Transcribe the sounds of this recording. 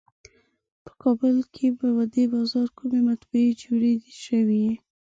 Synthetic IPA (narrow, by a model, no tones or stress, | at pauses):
pə̥kʰɑbəlkʰebəwad̪ebɑzɑɾkʰumemat̪bued͡ʒoɽed̪eʃəwi